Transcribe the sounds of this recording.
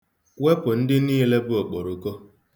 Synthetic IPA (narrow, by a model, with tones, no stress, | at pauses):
we˦pʊ˨n̩˦dɪ˦niː˦le˦bʊ˦o˨k͡po˨ɾo˦ko˦